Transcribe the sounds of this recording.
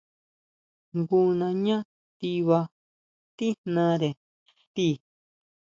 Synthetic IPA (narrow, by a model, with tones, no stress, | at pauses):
ŋɡu˧nã˧ɲã˦ | t̪i˧βa˧ | t̪i˦nnã˧˦ɾe˨ | t̪i˦˨